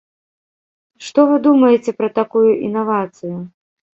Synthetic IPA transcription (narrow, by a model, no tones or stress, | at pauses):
ʂt̪ɔvɨd̪umɐjɛt͡sʲɛpɾɐt̪akujuʔḭnavat̪sɨju